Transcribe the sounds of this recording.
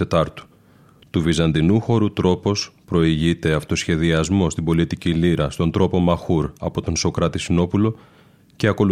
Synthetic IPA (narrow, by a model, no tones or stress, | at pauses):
et̪ɐɾt̪u̥ | t̪uvizɐnd̪inuxo̞ɾut̪ɾo̞po̞spɾo̞iʝit̪e̞ɐft̪o̞sçe̞ðiɐzmo̞st̪imbo̞lit̪iciliɾɐst̪o̞nd̪ɾo̞po̞mɐxuɾɐpo̞t̪o̞nso̞kɾɐt̪isino̞pulo̞ | ce̞ɐko̞lu